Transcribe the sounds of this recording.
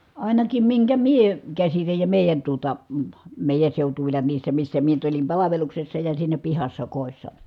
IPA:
ɑˑinɑkim miŋkæ mie kæsitæj jɑ meˑi̯jæn tuotɑ ə meˑi̯jæn̞ seutuʋilːɑ niːsːæ misːæ mie nyt olim pɑlɑʋeluksesːɑ jɑ siːnæ pihɑsːɑ koˑi̯sːɑ

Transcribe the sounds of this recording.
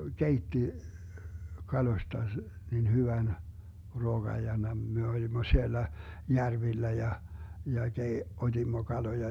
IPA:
keitːi kɑloĭstɑ nin hyʋæn ruoɡ̊ɑj jɑ mem me olimːo sielːæ jærʋilːæ jɑ jɑ kei otʲimːo kɑlojɑ

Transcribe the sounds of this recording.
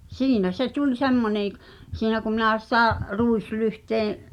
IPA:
siːnæ se tulʲ semːonẽː k̆ siːnæ ku minæˑ sĭtæ ruislyhteːẽ

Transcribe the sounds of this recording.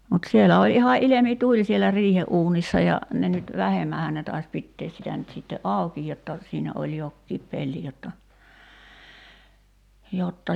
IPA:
mut sielæ olʲ ihɑ ʔilemitulʲ sielæ riːheʔuːnisːɑ jɑ ne nyt ʋæhemːæhæn ne tɑis pitːeːs sitæ nyt sitːe ʔɑˑuki jotːɑ siːnæ olʲ jokːiːp pelːi jotːɑ jotːɑ

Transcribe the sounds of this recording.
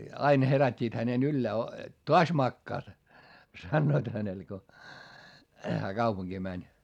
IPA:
ɑin herætʲːiːt hænen ylːæː o toɑs mɑkːɑːt sɑnːoit hænel ko hæː kɑupuŋɡ̊iː mænʲ

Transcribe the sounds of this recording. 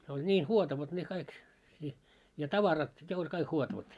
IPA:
se olʲ nʲiː huotɑʋɑt ne kɑik i jɑ tɑʋɑrɑt ne olʲ kɑik huotɑʋɑt

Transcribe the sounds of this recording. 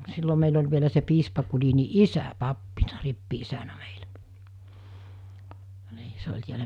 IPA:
silːo meil olʲ ʋielæ se piːspɑ kulini isæ pɑpːinɑ ripːiisænæ mei̥l̥æ̥ niː se olʲ tiælæ

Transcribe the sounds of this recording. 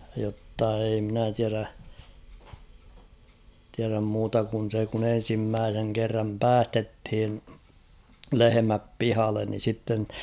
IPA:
jotːɑ ei mnæ tiæræ tiæræm muːtɑ kun̞ se kun en̞simːæːseŋ kerːɑm pæːstethin lehemæp pihɑlːen ni sitːen

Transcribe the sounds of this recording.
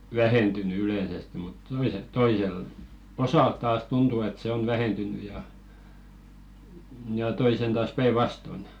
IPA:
ʋæhentyny yleˑsestĭ mut toiset toisel osɑˑl tɑːs tuntu et se on ʋæhentyny jɑ jɑ toisen tɑːs pæiʋɑston

